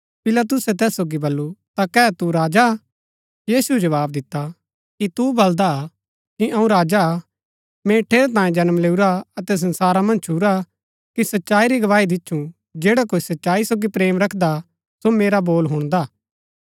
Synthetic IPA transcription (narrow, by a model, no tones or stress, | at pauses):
pɪlaːt̪̬ʊsɛt̪ɛːsːoːɡibɐlːut̪akɛːt̪uɾaːd͡ʒa | jiːsuɛd͡ʒɐʋaːb̚d̪ɪt̪ːa | kit̪ubɐld̪a | kiʔɐũɾaːd͡ʒa | mɛ̃ʈʰeːɾt̪ãːjẽd͡ʒɐnmleːuɾaɐt̪ɛs̬ɐ̃nsaːɾamɐ̃nd͡ʒt͡ʃʰuɾa | kisɐtːʃaːiɾiɡɐʋaːid̪ɪtːʃʰũ | d͡ʒeːɽakoːisɐtːʃaːisoːɡipɾeːmɾɐkʰd̪a | someːɾaboːlɦʊɽ̃d̪aː